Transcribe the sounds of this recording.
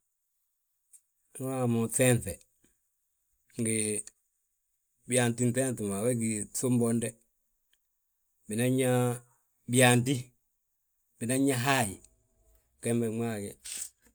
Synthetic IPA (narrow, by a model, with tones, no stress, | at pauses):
n˦a˦˨mu˨tɛ˦nθɛ˨ | ŋ˨ɡi˨ | bi˨a˨nti˦n˦tɛ˦ntu˨ma˨wɛ˦k̬i˨so˦mbɔ˦ndɛ˦ | bi˨na˦ɲa˦ | bi˦˨a˨nti˦ | bi˨na˦ɲa˦ɦa˦˨ji˨ | kɛ˦mbɛ˨mʷa˦˨kɛ˨